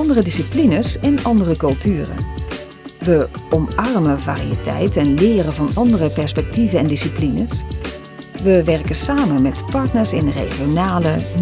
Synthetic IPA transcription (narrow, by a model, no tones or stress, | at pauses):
ɑndərədisiplinəsɛnɑndərəkɵlˠtʰyːrə̰ | ʋəɔmɑrməva̰ːriə̰tʰɛ̰jtɛnlɪːɾəvɑnɑndərəpɛɹspɛk̚tivənɛndisiplinəs | ʋəʋɛrkəsaːmənmɛtpɑɹtnəɹsɪnrḛːɣjonaːlə